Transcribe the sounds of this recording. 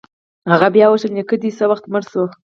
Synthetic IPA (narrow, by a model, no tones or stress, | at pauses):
haɣabjɑwəʃəmnekəd̪isəwaxt̪məɾso